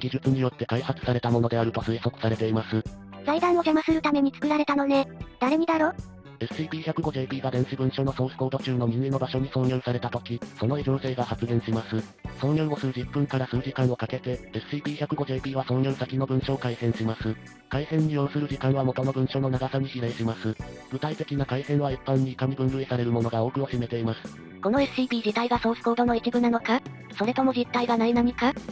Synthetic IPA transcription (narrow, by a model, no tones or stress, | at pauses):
ɡʲiʑɨt͡sɨɲ̟ijo̞t̪ːe̞kaihat͡sɨ̥saɾe̞t̪amo̞nod̪e̞aɾɯ̟t̪o̞sɨeso̞kɯ̟̥saɾe̞t̪eimasɨ | z̥aid̪ãɰ̃o̞ke̞masɨɾɯ̟t̪ame̞ɲ̟it͡sɨ̥kɯ̟ɾaɾe̞t̪ano̞ne̞d̪̥aɾe̞ɲ̟id̪aɾo̞ | esɨ̥iːbʲiːçakɯ̟ɡo̞ʑe̞ːbʲiːɡad̪ẽ̞ɰ̃ɕibɯ̟̃ɰ̃ɕo̞ːno̞so̞ːçɯ̟̥koːd̪o̞t͡ɕɨːno̞mʲĩŋenːo̞baɕo̞ɲ̟isõ̞ɲjʲosaɾe̞t̪at̪o̞kʲiso̞no̞iʑo̞ːse̞ːɡahat͡sɨɡẽɰ̃ɕimasɨ | sõ̞ɰjoɰ̃o̞sɨɾɯ̟d͡ʑipːɯ̟̃ŋkaɾasɨːʑikãɰ̃o̞kake̞t̪e̞esɨ̥iːpʲiːçakɯ̟ɡo̞ʑɨːpʲiːβ̞asõ̞ɲjʲosakʲino̞bɯ̟̃ɰ̃ɕo̞ːkaisẽɰ̃ɕimasɨ | kaisẽ̞ɲ̟ːijo̟sɨɾɯ̟ʑikãɰ̃β̞amo̞t̪o̞no̞bɯ̟̃ɰ̃ɕo̞ːno̞naɡasaɲ̟iɕiɾaiɕimasɨɡ̥ɯ̟t̪ait̪e̞kʲinakaisẽ̞ɰ̃β̞aipːãɲ̟ːiːkamʲibɯ̟̃nɾɯ̟esaɾe̞ɾɯ̟mo̞no̞ɡao̞ːkɯ̟oɕime̞t̪e̞imasɨ̥ | ko̞noesɯɨ̥iːpʲiːd͡ʑit̪aiɡasoːsɯ̥koːd̪o̞no̞it͡ɕʲibɯ̟nano̞ka | so̞ɾet̪o̞mo̞d͡ʑit̪ːaiɡanainaɲ̟ika